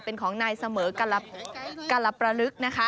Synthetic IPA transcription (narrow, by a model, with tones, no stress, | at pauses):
pe˨˧nkʰɔː˩˦ŋnaː˧jsa˧mɤː˩˦ka˧lːa˧˩ka˧lːa˧˩pɾa˧ɾɯ˦˥k̚na˦˥kʰa˦˥